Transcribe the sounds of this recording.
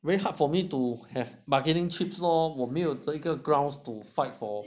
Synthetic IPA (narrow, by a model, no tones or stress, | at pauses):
vɛɹiɦat̚fɔmituhɛvbaɡɛnĩŋt͡ʃipsɔwɔmiltləikəɡɹãwnstufaɪtfɔ